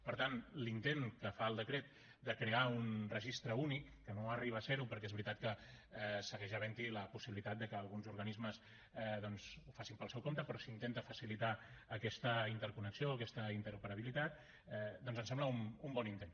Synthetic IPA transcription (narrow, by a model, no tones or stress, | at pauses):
pəɾt̪anlint̪enkəfaəlˠd̪əkɾet̪̚ | d̪əkɾeaunrəʒist̪ɾəunikːənoəriβəːseɾupəɾkɛezβɾit̪at̪̚kə | ɛsəɣɛʒəβ̞ɛnt̪iləpusiβilit̪at̪̚d̪əkəːlˠɣunzuɾɣənizməs | ɛðɔnzufasimpəlˠsɛwkomt̪əpɾɔsint̪ent̪əfəsilit̪aəkɛst̪əint̪əɾkunəksioəkɛst̪əint̪əɾupəɾəβilit̪at̪ | ɛd̪ɔnzənsɛmbləumumbɔnint̪en